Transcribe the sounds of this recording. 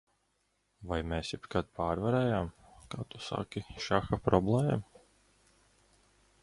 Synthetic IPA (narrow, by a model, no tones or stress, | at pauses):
vajmeːsjipkat̪̚paːɾvaɾɛːjam | kaːt̪usa̰kʲiʃaxapɾɔblˠɛːɛ̰m